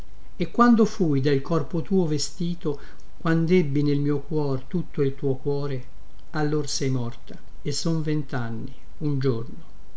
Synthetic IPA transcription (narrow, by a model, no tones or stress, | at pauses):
ekːwand̪ofujd̪ailkɔrpot̪uːovest̪iːt̪o | kwand̪ɛbːinelmiːokwɔːrt̪ut̪ːoilt̪uːokwɔːɾe | alːorsɛjmɔrt̪a | esːoɱvent̪anːi | und͡ʒorno